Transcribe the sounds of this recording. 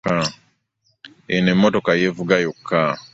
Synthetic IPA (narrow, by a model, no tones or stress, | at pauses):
a | enemːotokajevuɡajokːa